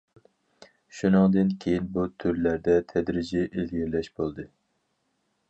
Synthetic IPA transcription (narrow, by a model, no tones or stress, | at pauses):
ʃunɨŋd̪ɨnkʲʰejinbut̪ʰyɾlæɾd̪ɛt̪ʰɛd̪ɾɪd͡ʒɛʔelɡʲiɾlɛʃbolˠd̪ɨ